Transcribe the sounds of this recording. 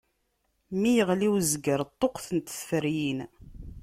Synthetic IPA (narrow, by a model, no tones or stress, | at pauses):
mijəʁliwzɡəɾt̪ˤːoqθənt̪θfəɾjin